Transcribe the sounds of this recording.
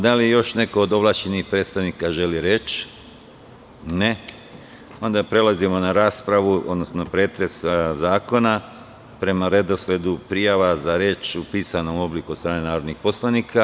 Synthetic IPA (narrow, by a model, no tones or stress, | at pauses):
d̪alijo̞ʃne̞ko̞ːd̪oʋlˠat͡ɕenixpɾet̪st̪aʋnikaʒe̞liɾe̞t͡ʃ | ne̞ | o̞nd̪apɾe̞lazimo̞naɾaːspɾaʋuo̞d̪no̞snopɾe̞ːt̪ɾe̞szaːko̞na | pɾe̞maɾe̞d̪o̞sle̞d̪upɾijaʋazaɾe̞ːt͡ʃupiːsano̞mo̞blikuost̪ɾaːne̞naːɾod̪nixpo̞slˠanikʰa